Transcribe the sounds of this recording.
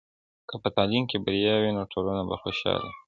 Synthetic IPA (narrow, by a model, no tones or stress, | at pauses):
kəpət̪ɑlimkebaɾijɑwinoʈʰolunaba̰xoʃɑ̰lḭ